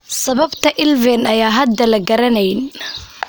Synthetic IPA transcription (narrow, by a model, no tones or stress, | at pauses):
sɐβɐbt̪ʰɐʔɪlvɛnɐjaːɦɐd̪ːɐlɐɡɐɾɐnɛjn